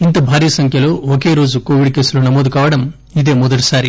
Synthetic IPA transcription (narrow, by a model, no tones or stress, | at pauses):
int̪ɐbʱaːɾijɐsɐŋkʰjɐluoːkeːɾoːd͡ʒukoːʋiɖ̚keːsɐlunɐmoːd̪ukaːʋɐɽɐm | id̪eːmɔd̪ɐɽɐsaːɾi